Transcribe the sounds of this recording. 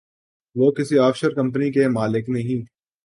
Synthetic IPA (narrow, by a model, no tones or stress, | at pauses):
ʋoːkɪsiɔːfʃəɾkɐ̃mpnikemaːlɪknɐɦĩː